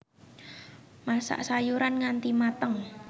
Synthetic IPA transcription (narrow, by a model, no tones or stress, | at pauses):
masa̰ʔsajuɾanŋant̪imat̪əŋ